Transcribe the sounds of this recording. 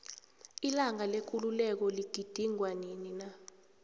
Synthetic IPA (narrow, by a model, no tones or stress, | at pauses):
ilaŋalek̬ʼululɛk̬ɔliɡ̥ʱid̥ʱiŋwaninina